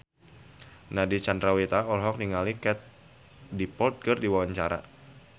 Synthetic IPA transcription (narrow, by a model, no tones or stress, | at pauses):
nadit͡ʃandɾawit̪aɔlɦɔk̚niŋalikɛt̪̚ | dipɔlt̪̚ɡərdiwawaɲt͡ʃaɾa̰